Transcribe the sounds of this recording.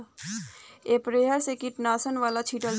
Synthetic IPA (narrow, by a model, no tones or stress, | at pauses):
eːpɾeːɦəɾsekɪʈnaːsənʋaːlat͡ʃʰiːʈəl